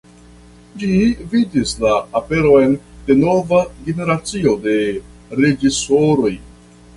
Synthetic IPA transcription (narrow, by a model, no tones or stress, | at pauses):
d͡ʒividislaːpe̞ɾo̞e̞nde̞no̞vaɡe̞ne̞ɾat͡sio̞de̞ | ɾe̞d͡ʒiso̞ɾo̞j